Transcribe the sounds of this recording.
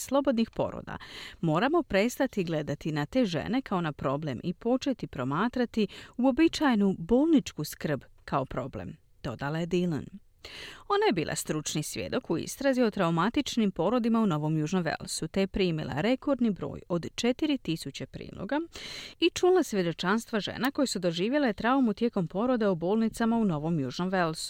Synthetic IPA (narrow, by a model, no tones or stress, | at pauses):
slˠo̞bo̞d̪nixpo̞̰ɾo̰d̪a̰mo̞ːɾamo̞pɾe̞st̪at̪iɡle̞d̪at̪inat̪e̞ːʒḛne̞kao̞napɾo̞ble̞mʔipo̞t͡ʃe̞t̪ipɾo̞maːt̪ɾat̪iuo̞bit͡ʃajnubo̞ːlˠnit͡ʃkuskr̩bkao̞pɾo̞blḛm | d̪̥o̞d̪alaje̞d̪ilən | o̞najebiːlˠʔa̰st̪ɾut͡ʃnisʋje̞̰d̪o̞kuḭst̪ɾaziot̪ɾaumat̪it͡ʃnimpo̞ɾo̞d̪imauno̞ʋo̞mjuʒnomʋe̞̰lˠsut̪ejepɾiːmḭlˠa̰ɾe̞ko̞ɾd̪nibɾo̞̰ːjo̞d̪t͡ʃe̞t̪iɾit̪isut͡ɕepɾḭːlˠo̰ɡait͡ʃuːlasʋje̞d̪o̞t͡ʃanst̪ʋaʒe̞̰nako̞jesud̪o̞ʒiːʋje̞laet̪ɾaomut̪je̞ːko̞mpo̞ɾo̞d̪eubo̞ːlˠnit̪samauno̞ʋo̞mjṵːʒno̞mʋelsu̥